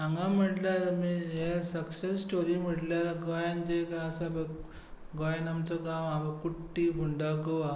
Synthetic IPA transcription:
ãŋɡãm̤əʈljaɾmiɦesəksesːʈoɾim̤əʈljaɾaɡɔjand͡ʑekaasabə | ɡɔjanamt͡səɡãʋabəkuʈːiɡuɳɖaɡoʋa

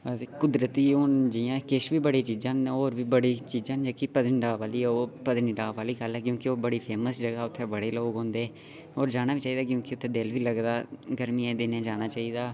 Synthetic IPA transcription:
ət̪ekʊd̪ɾət̪iːʊnd͡ʒɪjãːkɪʃʋiːbəɽiːt͡ʃiːd͡ʒãːnoːɾʋiːbəɽiːt͡ʃiːd͡ʒãːnd͡ʒeːkiːpəd̪nɖaːʋaːliːoːpəd̪niɖaːʋaːliːkəlɦɛːkjõːkɪoːbəɽiːpʰeːməsd͡ʒəɡaːʊt̪ʰːeːbəɽeːloːɡɦõːnd̪eː | oːɾd͡ʒaːɽ̃aːʋiːt͡ʃaːiːd̪aːkjõːkɪʊt̪ʰːeːd̪ɪlʋiːləɡd̪aːɡəɾmiːẽːd̪ɪnẽːd͡ʒaːñaːt͡ʃaːiːd̪aː

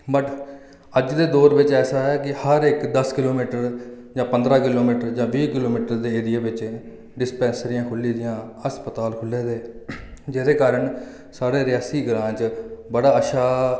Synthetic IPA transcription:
bəʈ | əd͡ʒd̪eːd̪oːɾʋɪt͡ʃɛːsaːɛːkɪhəɾɪkd̪əskɪloːmiːʈəɾ | d͡ʒãːpənd̪ɾaːkɪloːmiːʈəɾd͡ʒãːʋiːkɪloːmiːʈəɾd̪eːɪd̪ɪeːʋɪt͡ʃ | ɖɪspɛ̃ːnsɾɪjãːkʰʊlːiːd̪ɪjãːəspət̪aːlkʰʊlːeːd̪eːd͡ʒeːd̪eːkaːɾəɳ | saːɽeːɾɪjaːsiːɡɾãːt͡ʃbəɽaːəʃaː

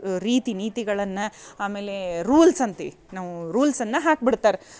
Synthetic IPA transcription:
ɾiːt̪iniːt̪iɡɐɭɐnːɐaːmeːleɾuːlsɐnt̪i | naːʋuɾuːlsɐnːɐɦaːk̚biɽt̪aːɾe

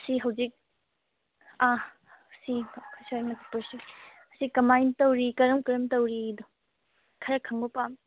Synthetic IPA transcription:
ɐsiɦɐwzik̚ | a | sikʰsaɾnɐkʰipɐɾsi | ɐsikːɐmajntɐwɾikɐɾɐmkɐɾɐmtɐwɾidɔ | kʰɐɾɐkʰɐŋbɐpam

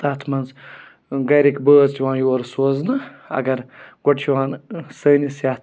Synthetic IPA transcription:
t̪aːt̪ʰmɐnz | ɡɐjɾikbəːzt̪iʋãːjoːɾsoːznɨɐ̰ɡɐɾɡoʈt͡ʃʰiʋaːnsəːnisjaːt̪ʰ

